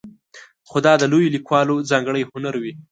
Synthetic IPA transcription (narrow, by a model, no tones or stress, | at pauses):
xod̪ɑd̪əlojolikwɑlod͡zɑŋɡɽəjhʊnaɾwi